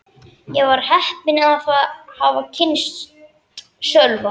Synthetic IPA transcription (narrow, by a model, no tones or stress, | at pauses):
jɛɣvaɾ̥hɛhpɪnaðaθahavacʰɪns | sœlva